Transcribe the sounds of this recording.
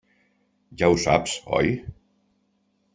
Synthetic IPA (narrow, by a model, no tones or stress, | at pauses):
ʒausa̰psɔ̰j